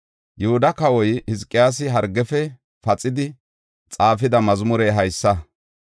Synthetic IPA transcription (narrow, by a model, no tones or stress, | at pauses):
jʊhʊd̪ɐkɐwɔjhɪzkʼːɪjaːs̬ɪɦɐɾɡɛfɛ | fɐt͡sʼɪd̪ɪ | t͡sʼaːfɪd̪ɐmɐzmʊɾɛːɦɐjsːɐ